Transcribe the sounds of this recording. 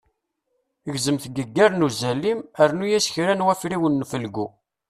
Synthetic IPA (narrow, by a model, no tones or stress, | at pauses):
əʝzəmθɡəɡːæɾnuzælːiməɾnujæsçɾænwæfɾiwənːfəlɡu